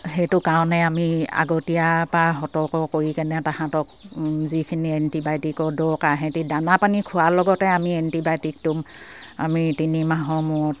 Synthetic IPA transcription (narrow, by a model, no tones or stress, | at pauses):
hetʊkaɔ̃nɛamia̰ɡotijapɹaɦɔtɔkɔkoɹikɛnɛtahãtɔk̚zikʰiniɛntibajtikɔdɔkaɦɛ̃tidanapanikʰʊalɔɡɔtɛamiɛntibajtik̚tum | a̰mitinimaɦɔmɔɔt